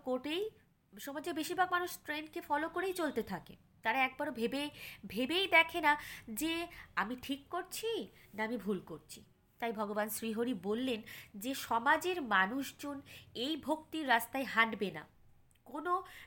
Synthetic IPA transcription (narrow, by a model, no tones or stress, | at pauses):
koʈej | ʃɔmad͡ʑeɾbeʃiɾbʱaɡ̚manuʃʈɾenkefɔlokoɾejt͡ɕolt̪et̪ʰakḛ | t̪aɾaɛk̚baɾbʱebebʱebejd̪ɛkʰenad͡ʑeamiʈʰikːoɾt͡ɕʰi | naamibʱulkoɾt͡ɕʰi̥ | t̪ajbʱɔɡobansɾiɦoɾibolːend͡ʑeʃɔmad͡ʑeɾmanuʃd͡ʑonejbʱok̚t̪iɾːast̪aeɦaɖbena̰ | kono